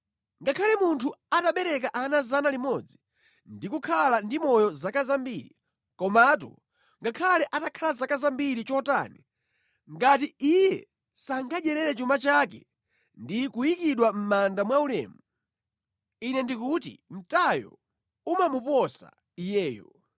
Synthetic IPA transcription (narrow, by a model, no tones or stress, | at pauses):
ŋɡakʰalɛmuntʰuataɓɛɾɛk̬aʔanazanalimɔd͡zi | ndikukʰalandimɔjɔzakazambiɾḭ | kɔmat̬ṵ | ŋɡakʰalɛʔatakʰalazakazambiɾit͡ʃɔta̰ːni | ŋɡat̬iijɛ̰ | saŋɡaʄɛɾɛɾɛt͡ʃumat͡ʃak̬ɛ | ndikuikiɗwam̩mandamwaulɛ̰ːmu | inɛndikutḭm̩tajɔ̰ | umamupɔsa̰ | ijɛːjɔ̰